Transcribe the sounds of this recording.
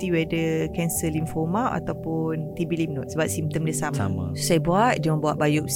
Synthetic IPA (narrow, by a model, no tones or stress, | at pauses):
t̪iwɛdəkɛnsəlinfɔmawʔa̰t̪awpʊnt̪ibilim̚nɔt̪̚səbap̚simt̪əmdəsamsa̰ma̰sajbuat̪̚dəmə̃buaʔ̪̚bajuk̚s